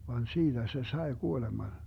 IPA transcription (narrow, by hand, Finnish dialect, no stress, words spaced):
ʋɑn siːd̥æ se sɑe kuolemɑn